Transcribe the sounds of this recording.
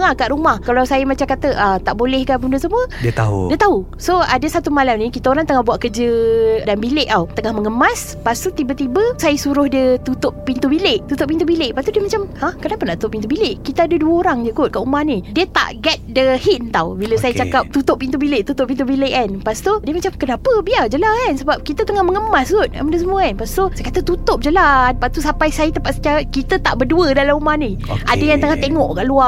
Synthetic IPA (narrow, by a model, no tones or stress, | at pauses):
ŋakaʔɾumahkalawsajəmat͡ʃamkat̪əʔət̪aʔbolɛhkapəmundəsəmuədiət̪a̰ṵdiət̪au | soadəsat̪umalamnĩkit̪aoɾaŋt̪əŋahbuaʔkəd͡ʒədanbileʔawt̪əŋahməŋəmas | past̪ut̪ibət̪ibəsajəsuɾʊhdiət̪ut̪ʊʔpint̪ubileʔt̪ut̪ʊʔ̚pint̪ubileʔpast̪udiəmat͡ʃamhahkənapənaʔ̪u̥t̪ʊpint̪ubileʔkit̪aadəduəoɾaŋd͡ʒukʊt̪̚kaʔumahnidiət̪a̰ʔɡɛt̪̚dəhint̪awbiləsajət͡ʃakap̚t̪ut̪ʊpːint̪ubilɪʔt̪ut̪ʊp̚int̪̬ubileʔanpast̪odiəmat͡ʃamkənapəbiard͡ʒəlaansəbap̚kit̪ət̪əŋahməŋəmast̪ut̪̚a̰mədəs̬əmũəanpast̪osajəkat̪ət̪ut̪ʊp̚d͡ʒəlanpaʔt̪usapajsajət̪əmpaʔsə̥taɾakit̪ət̪a̰ʔbərduədalamumahni | ʔadəjant̪əŋaht̪eŋɔʔkaʔlua